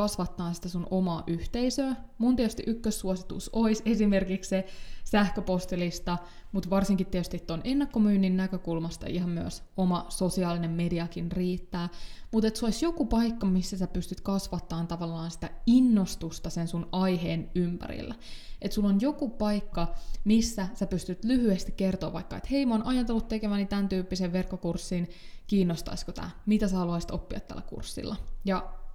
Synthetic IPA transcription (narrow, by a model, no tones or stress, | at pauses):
kɑsʋɑt̪ːɑːnsi̥t̪æsunʔomɑːʔyht̪eisøːmunt̪ieɛt̪yst̪iʔykːøsːuosit̪ṵsoise̞sime̞rkikssesæhkøpost̪elist̪ɑ | mut̪ʋɑrsiŋkit̪ːiet̪yst̪iet̪ːonenːɑkːomyːnːinːækøkulmɑst̪ɑ̰iɦɑmmyøsomɑso̞siɑːlinemme̞diɑkinriːt̪ːæːmut̪et̪suoisjo̞kupɑikːɑmisːæsæpyst̪yt̪kɑsʋɑt̪ːɑːnt̪ɑʋɑlːɑːnsi̥t̪æinːost̪ust̪ɑsensunɑjɦeːnympæ̰ɾḭlːæet̪sulːonjo̞kupɑjkːɑmisːæsæpyst̪yt̪lyhyest̪ikkert̪oːʋɑjkːɑet̪he̞jmoːnʔɑjɑnt̪olːut̪t̪ekemæːnit̪ænt̪yːpːiseʋʋe̞rkːokursːiːnkiːnːost̪ɑ̰iskot̪æ̰ːmit̪æsæhɑluɑisit̪opːiɑ̰t̪t̪ːæ̰lːækṵrsːḭlːɑjɑ